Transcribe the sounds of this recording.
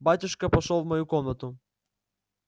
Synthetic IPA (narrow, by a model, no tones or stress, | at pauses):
bat̪ʲʊʃkɐpɐʃɔlˠvmɐjukɔmnɐt̪ʊ